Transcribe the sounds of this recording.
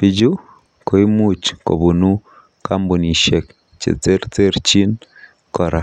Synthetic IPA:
pi˨d͡ʒu˦ | ko˨i˦mu˦t͡ʃko̰˨bu˨nu˦ | ka˦mbu˨ni˨ʃe˨k | t͡ʃḛ˨t͡se˦ɾt͡se˦ɾt͡ʃi˦n | kɔ˨ɾʔa˨

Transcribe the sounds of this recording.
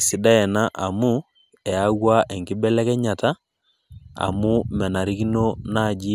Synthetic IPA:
si˨da˦ɛ˨na˦ʔa˨mu˦ | ɛ˨a˦ɣwa˦ʔe˨ŋɡi˦bɛ˦lɛ˦kɛ˦ɲa˨ta˦ | a̰˨mu˦mɛ˨na˨ɾi˦ki˦no˦na˨d͡ʒi˦

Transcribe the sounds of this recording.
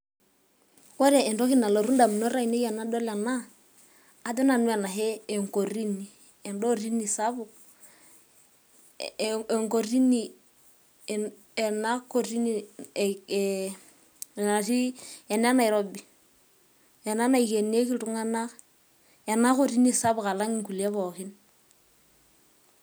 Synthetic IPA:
kɔ˦ɾɛ˨ɛ˨ndɔ˦ki˦na˨lo˨ɾu˦nda˨mi˨no˦ɾa˦i˨ne˦i˦a˨na˦do˦la˨naː˦ | dɛ˦na˨nu˦a˨na˨ɦɛ˦e˨ŋko˨ɾi˦ni˨ | ɛ˨ndo˦ɾi˦ni˨sa˦βu˨ | ŋko˨ɾi˦ni˨ | e˨na˦ko˨ɾi˦ni˨ | na˨si˦ɛ˨na˦na˨i˨ɾo˦bi˨ | e˨na˦na˦i˨ke˨ni˦e˦ki˦tu˦ŋa˦na˦ | e˨na˦ko˦ɾi˦ni˦sa˦bu˨ka˨la˦ŋi˦ŋku˨li˨e˦bo˨ki˦n

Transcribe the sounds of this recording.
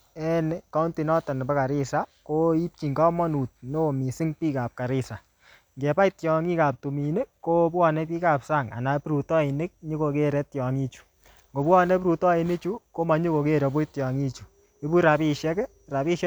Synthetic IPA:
ɛ˦nka˦nti˨nɔ˦tɔ˨n˨bɛ˦ka˨ɾɪ˦sa˨ko˦i˦p̚t͡ʃi˨ŋɡɔ˦mɔ˦nu˨t̚no˦˨mi˨sɪ˦ŋpiː˦ka˨p̚ka˨ɾɪ˦sa˨ | ŋɡɛ˨pa˦i˦tjɔ˨ŋi˦ka˨p̚tu˨mi˨ne˦ko˦pwɔ˨nɛ˦pi˦ka˨psa˦˨ŋa̰˨na˨pɾu˨tɔ˦i˨ne˦k̚ɲi˦ko˧ke˦ɾɛ˨˦tjɔ˨ŋi˦t͡ʃu̥˨ | ŋɡo˨pwɔ˦nɛ˦pɾu˨tɔ˦i˨ne˦t͡ʃu˦ko˦ma˨ɲo˦ko˨ke˦˨ɾɛ˨bʊ˦tjɔ˨ŋi˦t͡ʃu˨ | e˦bu˦ɾa˨pi˦ʃɛ˦k | ɾa˨pi˦ʃ

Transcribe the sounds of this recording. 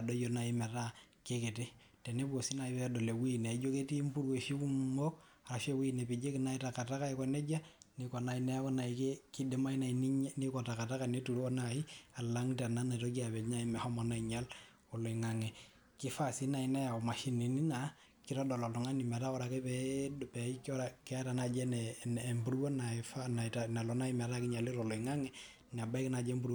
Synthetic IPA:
a˨dɔ˦jɔ˨na˨i˦mɛ˨ta˦ke˦ke˨te˦ | te˨ne˦buo˨si˦na˨i˦bɛ˦dɔ˨le˨wi˦˨ne˨d͡ʒo˦ke˦ti˦mpu˦ɾwe˨ʃi˦ku˦mɔ˦k̚ | a˨ɾa˨ʃe˦wi˦˨ne˨pi˨d͡ʒe˦ki˨na˦i˦ta˨ka˨ta˦ka˦i˦kɔ˨nɛ˦d͡ʒa˦nikɔ˨na˨i˦na˦ja˦kɔ˦na˨i˨ke˦ki˦de˦ma˦i˦na˨i˨ni˦ni˦kɔ˨ta˨ka˨ta˦ka˨ne˦tu˨ɾɔ˦nai˦a˨la˦ŋta˨na˦na˨tɔ˦k̬i˦a˨bɛ˨ɲa˦i˦mɛ˨hɔ˦mɔ˨na˦i˨ɲa˦l | ɔ˨lɔ˨i˨ŋa˨ŋɛ˨ | ki˦fa˦˨si˦na˨i˦na˦ja˨ɔ˨ma˨ʃi˦ni˨ni˦na˨ | ki˦ɾɔ˦dɔ˨lɔ˨ltɔ˨ŋa˦ni˨ma˨ta˦ɔ˦ɾa˨kɛ˦pɛdpɛ˨i˦kɔ˦ɾakɛ˦a˦ta˨na˨d͡ʒɛ˦nɛː˨mbu˨ɾwɔ˦na˨fa˦na˨tana˨lɔ˨na˦i˦mɛ˨ɾa˦kɪ˦ɲa˨li˦ɾɔ˨lɔ˨i˨ŋa˦ŋɛ˦ | n˨a˨ba˦i˦ki˦na˨d͡ʒɛ˦mbu˦ɾw

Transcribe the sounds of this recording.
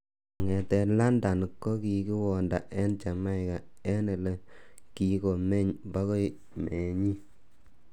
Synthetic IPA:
ŋɛ˨tɛ˨la˦nda˨n˨kːɔ˦ki˨ki˦wɔ˨nda˨ʔɛ˦nt͡ʃa˨ma˦jka˨ɛ˦nɛ˨le˨ki˨ko˨me˦ɲba˦ko˦j | me˨ɲi˦

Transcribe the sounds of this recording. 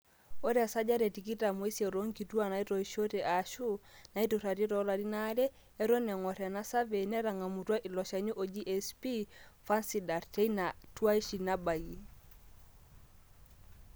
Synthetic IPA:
o˦ɾa˨sa˦d͡ʒa˦ɾe˨ti˨ki˦ta˨mo˨i˦sjɛ˨ɾo˦ŋki˨tu˦a˨na˨i˦ɾɔ˨i˨ʃo˦te˨ʔa˨ʃu˦na˨i˦tu˨ɾa˨ɾi˦ɾɔ˨˦la˨di˦na˦ɾɛː˦ | ɾo˦nɛ˨ŋɔ˨ɾɛ˨na˦sa˦ve˨nɛ˦ɾa˨ŋa˨mu˨twa˦ʔi˨lɔ˨ʃa˨ɲu˦ʔo˨d͡ʒi˦ʔɛ˨spi˦fa˦nsi˨da˨ɾte˦ina˨twa˦i˦ʃi˨na˦ba˨ɡi˨

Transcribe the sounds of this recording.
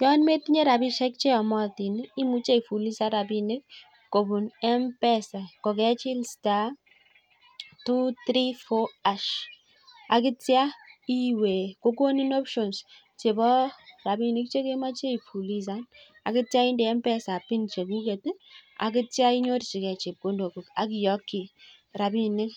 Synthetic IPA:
jɔ˦nme˦ti˦ɲe˦ɾa˨bi˦ʃɛ˦k̚t͡ʃe˦ɔ˨mɔ˦ti˨n˦i˦mu˦t͡ʃe˦˨ifu˨li˦sa˦ɾa˨pi˨nɪ˦kː | o˨bu˨nɛ˦mpɛ˦sa˨kɔ˨kɛ˦t͡ʃi˦lsta˦ | tu˦tɾi˦fo˦a˦ʃ | a˨kɪ˦tja˦i˦we˨ko˦ko˦ni˦nɔ˦pʃɔ˨ns | t͡ʃe˨bɔ˦ra˨bi˨nɪ˦k̚t͡ʃe˦ke˦ma˦t͡ʃe˦i˨pu˨li˦s̬a˦n | a̰˨kɪ˦tja˦ɪ˦ndɛ˨ɛ˦mpɛ˦sa˨pi˦nt͡ʃe˨ku˦ke˨ta̰˨kɪ˦tja˦i˦ɲo˦tt͡ʃi˨kɛ˨t͡ʃe˨p̚ko˦ndo˨ko˨ka˨kɪ˨jɔ˦kːi˨ | ra˨bi˦nɪ˦k

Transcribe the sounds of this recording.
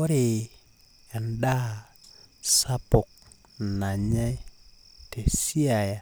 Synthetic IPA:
o˦ɾe˨ | e˨nda˦ | sa˦po˨k̚ | na˨ɲa˦j | te˨si˦a˨ja˨

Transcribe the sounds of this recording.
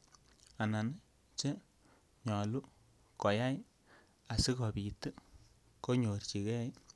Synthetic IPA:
a˨na˨n | t͡ʃe˦ | ɲɔ˨lu˦ | kɔ˨ja˦j | a˨si˦kɔ˨pi˨tɨ˦ | ko˦ɲo˨rt͡ʃi˨kɛ˦j

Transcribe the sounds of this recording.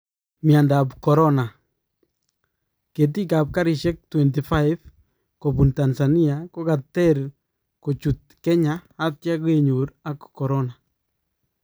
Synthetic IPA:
mi˨a˨ndapkɔ˨ɾɔ˦na˨ | ke˨t̬i˦ka˨p̚ka˦ɾi˨ʃɛ˦k̚twɛ˨nti˨fa˦ɪv | ko˨pu˨ntansa˨ni˦ako˦ka˨tːɛɾ | ko˨t͡ʃu˨t̚kɛ˦ɲaː˦tja˦ke˨ɲu˨ɾakkɔ˨ɾɔ˦na

